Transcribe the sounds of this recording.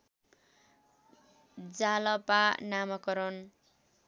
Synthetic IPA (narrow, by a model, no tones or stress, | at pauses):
d͡zalʌpanamʌkʌɾʌn